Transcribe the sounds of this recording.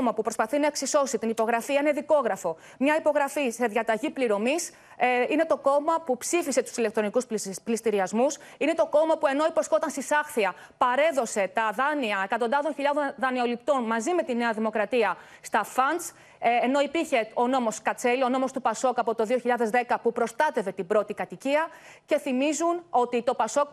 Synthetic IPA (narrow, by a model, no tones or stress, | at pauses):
mɐpupɾo̞spɐθinɐe̞ksiso̞sit̪inipo̞ɣɾɐfiɐine̞ðiko̞ɣɾɐfo̞ | mɲɐipo̞ɣɾɐfise̞ðʝɐt̪ɐʝipliɾo̞mis | inet̪o̞ko̞mɐpupsifise̞t̪u̥sile̞k̚t̪ɾo̞nikusplist̪iɾiɐzmusine̞t̪o̞ko̞mɐpue̞no̞ipo̞sko̞t̪ɐnst̪isɐxθiɐ | pɐɾe̞ðo̞se̞t̪ɐðɐniɐe̞kɐt̪o̞nd̪ɐðo̞nçiʎɐðoðɐnio̞lip̚t̪o̞nmɐzime̞t̪ine̞ɐðimo̞kɾɐt̪iɐ | st̪ɐfɐnt͡sː | no̞ipiɾçe̞o̞no̞mo̞skɐt͡se̞lio̞no̞mo̞st̪upɐso̞kɐpo̞t̪o̞ðioçiʎɐðe̞zðe̞kɐpupɾo̞st̪ɐt̪e̞ve̞t̪ibɾo̞t̪ikɐt̪iciɐ | ce̞θimizuno̞t̪it̪o̞pɐso̞k